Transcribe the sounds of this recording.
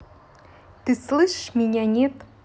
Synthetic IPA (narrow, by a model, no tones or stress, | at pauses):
t̪ɨslˠɨʃʃmʲinʲænʲet̪